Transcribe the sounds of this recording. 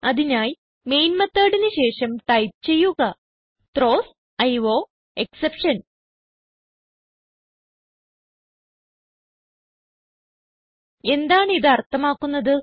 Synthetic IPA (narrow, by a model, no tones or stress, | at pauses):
ɐðinaːj | me̞jnmɐt̪ːaːɽinɨɕe̞ːʂɐmʈɐjp̚t͡ɕe̞jːuɣɐ | t̪ro̞ːs | ɐjʋo̞ː | e̞ksepʂɐn | e̞nd̪aːɳiðɨɐrt̪ːɐmaːkːunːɐðɨ